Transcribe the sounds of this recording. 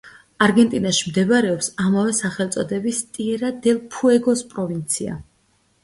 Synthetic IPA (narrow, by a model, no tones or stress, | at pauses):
aɾɡɛnt̪ʼinaʃimd̪ɛvaɾɛɔpsamavɛsaχɛlˠt̪sʼɔd̪ɛbist̪ʼiɛɾad̪ɛlˠpʰuɛɡɔspʼɾɔvint̪sʰia̰